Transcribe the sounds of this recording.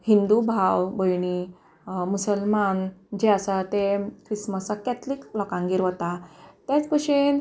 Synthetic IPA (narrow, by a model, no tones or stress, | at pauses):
hind̪ubʱawbəjñi | musəlmand͡ʑeasat̪ekɾisməsakat̪liklɔkãŋɡiɾʋət̪at̪jat͡spəʂen